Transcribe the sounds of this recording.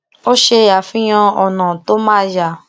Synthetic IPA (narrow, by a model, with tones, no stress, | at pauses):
o˦ʃe˧a˨fĩ˦j̃ã˧ɔ˨nã˨to˦mãː˦d͡ʒa˨